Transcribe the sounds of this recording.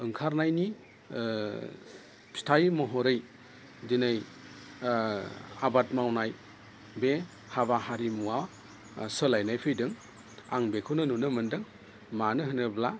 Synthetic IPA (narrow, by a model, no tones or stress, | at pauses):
ɯŋkʰaɾnajni | pʰi̥tʰajmɔɦɔɾɯj | dinɯj | abat̚mawnaj | be | haβahaɾimuwaw | sɯlajnajpʰɯjdɯŋ | a̰ŋbekʰɯwnɯnunɯmɯndɯŋ | manɯɦɯnɯbla